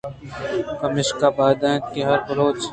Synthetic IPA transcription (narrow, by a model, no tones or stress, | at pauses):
kɐmɪʃkabaːd̪ãt̪̚keɦɐɾfɐɾoːt͡ʃ